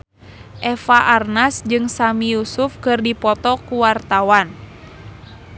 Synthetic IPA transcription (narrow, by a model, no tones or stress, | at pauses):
ʔɛfaʔarnasd͡ʒɨŋsamijusufkɨrdipɔt̪ɔkuwart̪awan